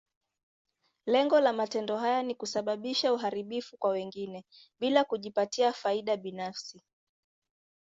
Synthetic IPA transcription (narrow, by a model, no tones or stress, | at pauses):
lɛŋɡɔlamatɛndɔɦajanikusaɓaɓiʃauɦaɾiɓifukwawɛŋɡinɛɓilakuʄipatiafaiɗaɓinafsi